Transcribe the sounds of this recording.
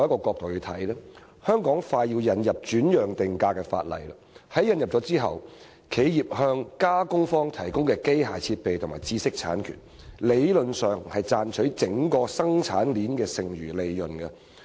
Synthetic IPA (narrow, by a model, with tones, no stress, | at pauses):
wjɐ˥kɔː˧kʷɔː˧k̚t̪o˨wjt̪ʰɐ˨˥jlɛ˥ | hœː˥ŋkɔː˨˥ŋfaː˧jiː˧wjɐ˨˧njɐ˨p̚t͡ʃyː˨˥njœː˨˩ŋt̪ɪ˨ŋkaː˧kɛː˧fa̰ː˧t̚lɐ̰˨˩jlɐ˨hɐ˨˥jɐ˨˧njɐ˨p̚t͡ʃɔ˨˥t͡siː˥ɦɐ̰˨w | kʰe˨˥jjiː˨p̚hœː˧ŋkaː˥kʊ˥ŋfɔː˥ŋt̪ʰɐ˨˩jkʊ˥ŋkɛː˧ke˥jɦa̰ː˨jt͡sʰiː˧t̚pe˨jt̪ʰʊ˨˩ŋma̰ː˨˩jt͡siː˧sɪ˥k̚t͡sʰa̰ː˨˥nkʰy̰˨˩n | le˨˧jlɵ˨nsœː˨ŋhɐ˨jt͡saː˧nt͡ʃʰɵ˨˥ɥt͡sɪ˨˥ŋkɔː˧sɐ˥ŋt͡sʰaː˨˥nliː˨˥nkɛː˧sɪ˨ŋjyː˨˩le˨jlɵ˨˩nkɐ˧